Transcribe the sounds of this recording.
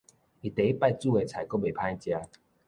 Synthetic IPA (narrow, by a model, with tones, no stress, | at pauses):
i˨t̪e˨˦i˦pa˥˧jt͡su˥˧e˨˩t͡sʰa˨˩jkɔ˥˦be˨˩pʰã˦jt͡ɕja˧